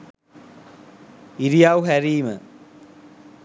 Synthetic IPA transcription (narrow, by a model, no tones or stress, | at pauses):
iɾijawɦæɾiːmə